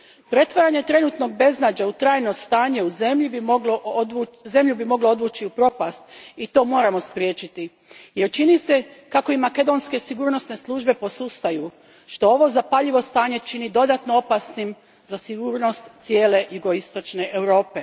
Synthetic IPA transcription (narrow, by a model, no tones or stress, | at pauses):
pɾe̞t̪ʋaɾaɲe̞t̪ɾe̞nuːt̪no̞ɡ̚be̞znad͡ʑaut̪ɾaːjno̞st̪aːɲe̞uzemʎibioɡlo | ze̞mʎubimo̞ɡlood̪ʋuːt͡ʃiupɾo̞past̪it̪o̞ːmo̞ːɾamo̞spɾjet͡ʃit̪i | je̞ɾt͡ʃinise̞kako̞imake̞d̪o̞nske̞siɡuːɾno̞sne̞slˠuːʒbe̞po̞sust̪aju | ʃt̪o̞oʋo̞zapaʎiʋo̞st̪aːɲe̞t͡ʃinid̪o̞d̪at̪no̞o̞pasnim | zasiɡuːɾno̞st̪t̪sje̞ːle̞juɡo̞ist̪o̞t͡ʃne̞ʔewɾo̞ːpe̞